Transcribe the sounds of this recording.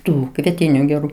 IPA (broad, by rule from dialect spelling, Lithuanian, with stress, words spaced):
ˈtuː kʋʲiɛˈtʲɪnʲuː ɡʲɛˈruː